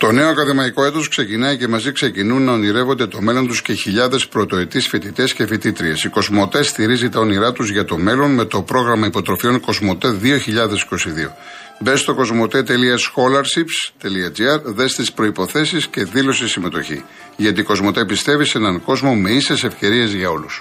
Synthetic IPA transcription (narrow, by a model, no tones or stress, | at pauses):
t̪o̞ne̞okɐðemɐiko̞e̞t̪o̞skse̞cinɐice̞mɐzikse̞cinunːɐoniɾe̞vo̞nd̪e̞t̪o̞me̞lo̞nt̪usce̞çiʎɐðe̞spɾo̞t̪o̞it̪isfit̪it̪e̞sce̞θit̪it̪ɾiesiko̞zmo̞t̪e̞st̪iɾizit̪ɐo̞niɾɐt̪uzʝɐt̪o̞me̞lo̞nme̞t̪o̞pɾo̞ɣɾɐmɐipo̞t̪ɾo̞fio̞nko̞zmo̞t̪e̞ðio̞çiʎɐðe̞si̥ko̞siðio̞̰ | be̞st̪o̞ko̞zmo̞t̪e̞t̪e̞liɐsxo̞lɐɾsipst̪eliɐd͡ziɐɾðe̞st̪ispɾo̞ipo̞θe̞sisce̞ðilo̞sisime̞t̪o̞çḭ | ʝɐt̪iko̞zmo̞t̪e̞pist̪e̞vise̞nɐŋko̞zmo̞me̞ise̞se̞fce̞ɾie̞zʝɐo̞lus